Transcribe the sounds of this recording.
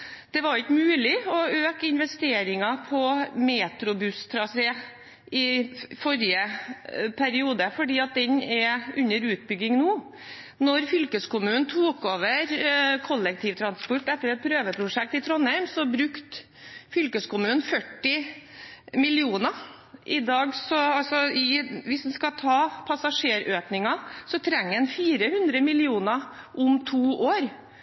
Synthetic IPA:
d̪̥ɛʋɑɾɪkəmʉːlɪɔøːkɪnʋɛst̪eːɾɪŋɑpʰɔmeːt̪ɾʊbʉst̪ʰɾɑseː | ɪfɔɾɪə | pʰæɾɪuːd̪əfɔɖiːɑt̪̚d̪ɛnɛʉ̰nːəɾʉːt̪̚bʏɡɪŋnuː | nɔɾfʏlkəskʊmʉːn̩t̪ʰuːkoːʋəɾkʰɔlːɛk̚t̪ʰiːʋt̪ʰɾɑnspɔʈːɛt̪ːəɾɛt̪̚pʰɾøːʋəpʰɾʊʂɛk̚t̪ɪt̪ʰɾɔnhæɾmsɔbɾʉkt̪ | fʏlkəskʊmʉːnn̩fœʈːɪ | mɪlɪuːnɑ | ʔɪd̪ɑːɡsɔɑlsɔɪʋɪsd̪ɛnskɑt̪ʰɑːpʰɑsɑʂeːɾøːknɪŋɑsɔt̪ʰɾɛŋːɛnfiːɾəhʉnd̪ɾəmɪlɪuːnɑʔʊmt̪ʰuːʔoːɾ

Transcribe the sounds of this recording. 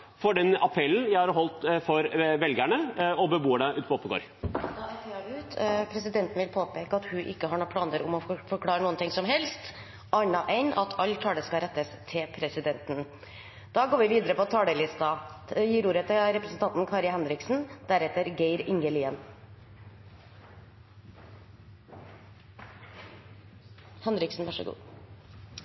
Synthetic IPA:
fɔɖɛnɑpʰɛlːn̩jæɪhɑɾɦɔlt̪fɔɾʋɛlɡæɳəɔbəboːəɳəʔʉːt̪pɔɔpːəɡo̰ːɾ | d̪ɑɛt̪ɛɑʉːt̪pʰɾɛsɪd̪ɛnt̪n̩ʋɪlpʰoːpʰɛːkəɑt̪hʉʔɪkːəɦɑɳupʰlɑːnəɾʊmɔfɔɾkʰɽɑːɾənuːənt̪ɪŋsɔmɦɛlst̪ | ɑɳɑʔɛɪnɑt̪ʰɑlːt̪ʰɑːɖ̪əskɑɾɛt̪ːəst̪ʰɪlpʰɾɛsɪd̪ɛnt̪n̩ | d̪̥ɑːɡoːɾʋɪʋiːd̪əɾəpɔt̪ʰɑːɽəlɪst̪ɑjiːɾuːɾət̪ʰɪɾɛpɾəsn̩t̪ʰɑnt̪n̩kʰɑːɾɪhɛnɾɪksn̩d̪̥æɾɛt̪əɾɡæɪɾɪŋɡəliːən | hɛnɾɪksn̩ʋɑʂə̰ɡṵː

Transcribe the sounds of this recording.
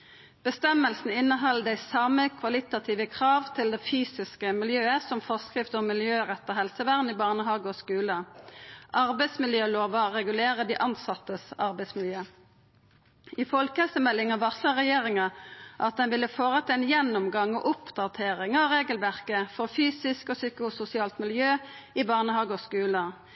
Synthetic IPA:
b̥əst̪ɛmːəlsn̩ɪnːəɦɑld̪æɪsɑməkʰʋɑlɪt̪ɑt̪ʰiːʋəkʰʁɑːʋt̪ʰɪld̪ɛːfyːsɪskəmɪljøːəsɔmfɔʁskʁɪft̪ɔmːɪljøːʁɛt̪ːəʁɦɛlsəʋæʁd̪niːbɑʁnəɦɑːɡəɔːskʉːlə | ʔɑʁbɛɪsmɪljøːloːʋəʁɛɡʉleːʁəd̪ɪʔɑnsɑt̪ːəsɑʁbæɪsmɪljøː | ifɔlkɛlsəmɛlːɪŋɑʋɑsəʁɛjeːʁɪŋəʔɑt̪̚d̪ɛnʋɪlːəfoːʁət̪ʰːɛnjɛnːʊmɡɑŋɔ̰ʔʊpd̪̥ɑt̪ʰeːʁɪŋɑʁeːɡəlʋæʁkəfɔʁfyːsɪskɔsyːkʊsʊsɪɑːlt̪mɪljøːibɑʁnəhɑːɡəɔskʉːlə

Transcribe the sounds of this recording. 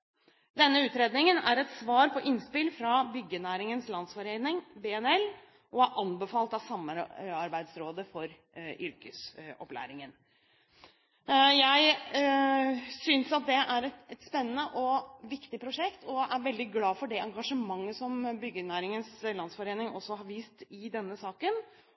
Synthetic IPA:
d̪ɛnːəʉːt̪ɾeːd̪nɪŋənæ̰ɾɛt̪sʋɑːɾpʰɔʔɪnspɪlfɾɑbʏɡːənæːɾɪŋənslɑnd̪sfɔɾeːnɪŋbeːɛnɛl | ʔɔhɑɾʔɑnbəfɑːlt̪ɑʋsɑmɑɾbæɪd̪sɾoːd̪əfɔɾ | ʏɾkəsɔplæ̰ːɾɪŋən | jæɪ | synsɑt̪̚d̪ɛʔæɾɛt̪ɛt̪spɛnːənəʔɔʋɪkt̪ɪpʰɾʊʂɛkt̪ʰɔʔæɾʋɛld̪ɪɡlɑːfɔɖɛɑŋɡɑʂəmɑŋːəsɔmbʏɡːənæːɾɪŋənslɑnsfɔɾeːnɪŋɔsːɔɦɑɾʋiːst̪ɪd̪ɛnːəsɑːkən

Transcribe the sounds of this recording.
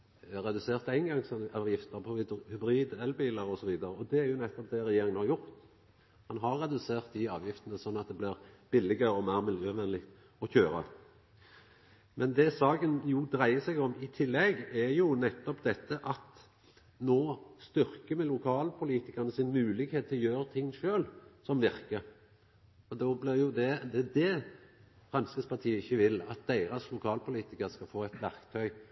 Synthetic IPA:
ɾɛd̪ʉseːʁt̪æɪnɡɑŋsɔnʔɑːʋjɪft̪əɾpʰɔhʉbɾiːd̪ɛlbiːləɾɔsɔʋiːd̪əɾəɔd̪ɛæɾjʊnɛt̪ːɔp̚d̪ɛɾɛjeːɾɪŋnhɑɾjʊɾt̪ | hɑnɦɑɾːɛd̪ʉseːʁt̪ɪɑːʋjɪft̪ənəsɔnːɑt̪̚d̪ɛblɪʁb̥ɪlːɪɡɑɾəɔmæʁmɪljøːʋɛnlɪkt̪ | ɔçøːɾə̰ | mɛnd̪ɛsɑːɡənjuːd̪ɾæɪəsɛɡɔmɪt̪ʰɪlːɛɡɛɾjʊnɛt̪ːɔpd̪ɛt̪ːəʔɑt̪ | noːst̪ʏɾkəmɛlʊkʰɑːlpʰʊliːt̪ɪkɑʁnəsɪnmʉːlɪɡheːt̪ʰːɪljøːɾət̪ʰɪŋːʂøːlsɔmʋɪʁkəɾ | ɔd̪oblɪʁjʊd̪ɛd̪ɛd̪ɛ | fʁɑnskəspʰɑʈʰiːəɪçːəʋɪlɑ̰t̪̚d̪̥æɪɾɑslʊkʰɑːlpʰʊliːt̪ɪkəɾskɑlfoːɛt̪ʋæɾkt̪ʰœʏ

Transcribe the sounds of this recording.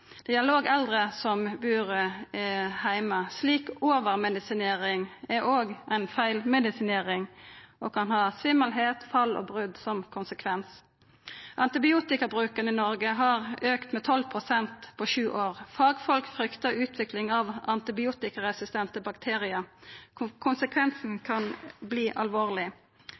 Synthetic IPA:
d̪̥ɪjɛlːəoːɡɛld̪ʁəsɔmbʉːʁə | hæɪməsliːkoːʋəʁmɛd̪ɪsɪneːʁɪŋɛʔoːɡæɪnfæɪlmɛd̪ɪsɪneːʁɪŋʔokʰɑnhɑːsʋɪmːəlɦeːt̪fɑlːɔ̰ːbʁʉd̪sɔmkʰʊnsəkʰʋɛns | ʔɑnt̪ɪbɪuːt̪ɪkɑbʁʉːknɪnɔʁɡəɦɑːʁøːkt̪mɛt̪ʰɔlpʰʁʊsɛnt̪pʰɔʃʉːʔoːʁfɑːɡfɔlkfʁʏkt̪əʉːt̪ʰʋɪklɪŋɑʋɑnt̪ɪbɪuːt̪ɪkɑʁɛsɪst̪ɛnt̪əbɑkt̪ʰeːʁɪə | kʰʊnsəkʰʋɛnsn̩kʰɑnbliːʔɑlʋoːʁlɪ

